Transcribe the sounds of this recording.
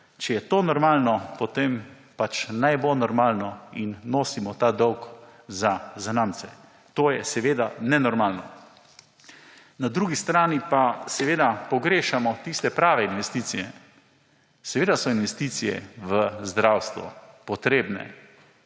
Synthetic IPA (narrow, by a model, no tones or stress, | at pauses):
t͡ʃɛjɛt̪oːnɔɾmalnɔpɔt̪em | pat͡ʃnajbolnɔɾmaːlnɔinːoːsimɔt̪aːd̪ɔwkzazanaːmt̪sɛ | t̪oːjɛsɛʋeːd̪anɛnɔɾmaːlnɔ | nad̪ɾuɡist̪ɾaːnipasɛʋeːd̪apɔɡɾeːʃamɔt̪ist̪ɛpɾaːʋɛinʋɛst̪iːt̪sijɛ | sɛʋeːd̪asɔinʋɛst̪iːsijɛ̰ʋəzd̪ɾawst̪ʋɔ̰pɔt̪ɾeːbnɛ̰